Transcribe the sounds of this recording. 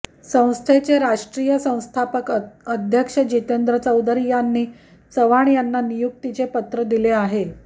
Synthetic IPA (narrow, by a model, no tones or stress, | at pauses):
sə̃w̃st̪ʰet͡seɾaʂʈɾijəsə̃w̃st̪ʰapəkəd̪ʱjəkʂəd͡ʑit̪end̪ɾət͡səwd̪əɾijanːiː | t͡səʋaɳjanːanijuk̚t̪it͡sepət̪ɾəd̪ileaɦe